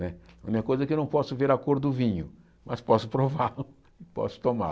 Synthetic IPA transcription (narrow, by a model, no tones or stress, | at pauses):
nɛũɲikɐkojzɐɛkewnɐ̃w̃pɔsʊveɾakoɾd̪ʊvĩɲʊ | mɐspɔsʊpɾovalʊ | ɪpɔ̰sʊ̥t̪oma̰